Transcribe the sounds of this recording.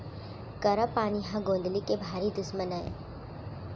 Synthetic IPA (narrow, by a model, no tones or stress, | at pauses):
kɐɾəpːaːniɦãɡõːnd̪likebʱaːɾid̪ʊsmənaḛ